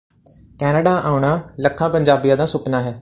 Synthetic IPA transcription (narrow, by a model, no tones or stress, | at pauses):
kɛːnəɖaʔaːʊɳ̃aləkʰːãːpə̃ɲd͡ʒaːbijãd̪ãːsʊpnaɦɛː